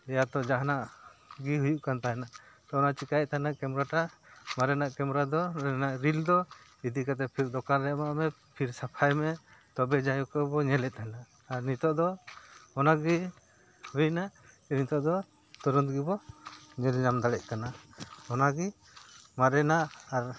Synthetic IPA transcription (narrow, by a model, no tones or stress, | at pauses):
ɛjat̪ɔd͡ʒaɦanaʔɡiɦujuʔkant̪aɦɛnaʔ | t̪ɔɔnat͡ʃikaj̚t̪anakɛmɾaʈamaɾɛnaʔkɛmɾad̪ɔnaʔɾild̪ɔ | id̪ikat̪̬ɛpʰiɾd̪ɔkanɾɛmaʔmɛ | pʰiɾsapʰajmɛt̪ɔbɛd͡ʒajɔkɔbɔɲɛlɛt̪̚anaː | ɾnit̪ɔʔd̪ɔɔnaɡi | huinaʔ | nit̪ɔʔd̪ɔ | t̪ɔɾɔnt̪ɡibɔɲɛlɲamd̪alɛc̚kanaɔnaɡi | maɾɛnaʔːɾ